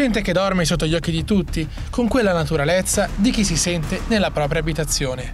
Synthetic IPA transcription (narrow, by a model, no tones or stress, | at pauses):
d͡ʒɛnt̪ek̟ed̪ɔrmesot̪ːoʎːɔkːid̪it̪ut̪ːi | koŋkwelːanat̪uɾalet̪sːad̪ik̟is̬isɛnt̪enelːapɾɔːpɾjaːbit̪at̪sːjoːne